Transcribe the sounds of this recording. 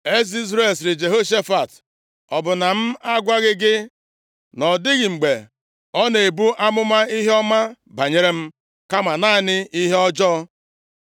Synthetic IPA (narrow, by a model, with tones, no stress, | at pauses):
e˦si˦zɾe˨lsɾɪ˨d͡ʒe˨ɦo˦ʃ̬e˦fa˨t | ɔ˨bʊ˨na˨m̩˦a˦ɡʷa˦ɣɪ˦ɡɪ˦ | nɔ˨dɪ˦ɣɪ˨ŋ͡m̩˨ɡ͡be˨ | ɔ˦ne˨e˨bu˦ʔa˦mʊ˦ma˦i˦ɦe˦ɔ˦ma˦ | ba˨ɲe˦ɾe˦m̩˦ | ka˦ma˨na˦˨nɪ˦i˦ɦe˦ɔ˦d͡ʒɔ˦